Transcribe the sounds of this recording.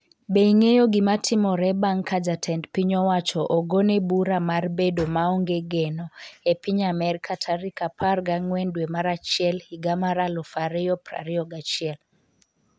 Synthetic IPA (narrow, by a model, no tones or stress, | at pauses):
beiŋejoɡɪmatʰɪmɔɾɛbaŋkʰad͡ʒatʰɛndpiɲɔwat͡ʃɔʔɔɡonebuɾamarbedomaɔŋɡeɡɛnɔepiɲamɛɾkʰatʰaɾikapʰarɡaŋwɛndwemaɾat͡ʃiɛlhiɡamaɾalɔfaɾɛjɔpra̰ɾiɔɡat͡ʃɪɛl